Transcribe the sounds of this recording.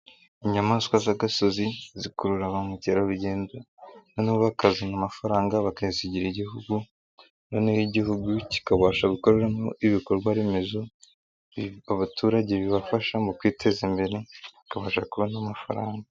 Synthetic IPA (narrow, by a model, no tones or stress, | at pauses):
iɲamaːskwazaɡasozizikuɾuɾaβamuceɾaβuɟeːndo | noniβakazenamafaɾaːŋɡaβakaiziɟiɾiɟihuɡu | nonehiɟihuɡuci̥kaβaːʃaβuko̞ɾeɾamoiβiko̞ɾɡwaɾemezo | aβatʰuːɾaɟe̞βiβafaʃamokwiːtʰe̞zimbe̞ɾe̞akaβaːʃakuβanamafa̰ɾaːŋɡa